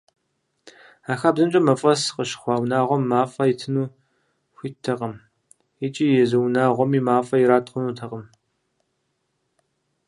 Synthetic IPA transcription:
aːxaːbzɨmt͡ʃʼɐmɐfʼɐsqəʃχʷɑːwnaːʁʷɔmːaːfʼɐjitʰɨnuː | xʷitʰːɐqʼɐm | ɪt͡ʃʼiːjɛzɐwnaːʁʷɔmiːmaːfʼɐjɪɾaːtχʷʊnuːtʰɐqʼəm

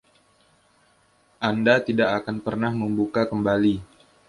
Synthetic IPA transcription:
ʔandat̪idaʔakanpərnahməmbukakəmbali

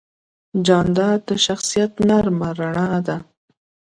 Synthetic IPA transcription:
d͡ʒɑnd̪ɑd̪əʃaxsijat̪naɾmaɾaɳɑd̪a

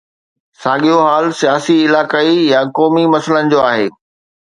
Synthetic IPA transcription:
sãːɠijoɦaːlsijaːsiɪlaːkaːijakɔːmimɐsələnɪ̆d͡ʑoːaːɦeː

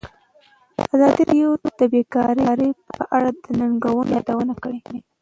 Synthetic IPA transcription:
azɑd̪iɾjod̪̥əbekɑɾeɾepəʔaɽad̪ənaŋɡawənjɑd̪awənakəɽede

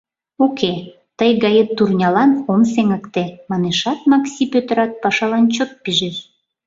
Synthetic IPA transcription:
okʰe | t̪əjɣɑjet̪ːurnʲɑlɑnomseŋəkt̪emɑneʃɑt̪̚mɑksipøt̪əɾɑt̪̚pɑʃɑlɑnt͡ɕot̪̚piʒeʃ

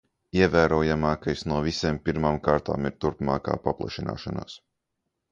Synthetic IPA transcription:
iɛvæːɾuɔjamaːkajsnuɔviseːmpʲiɾmaːmkaːɾt̪a̰ːmiɾt̪uɾpma̰ːka̰ːpaplˠa̰ʃina̰ːʃana̰ːs

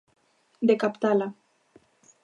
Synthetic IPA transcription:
d̪ekapt̪ala

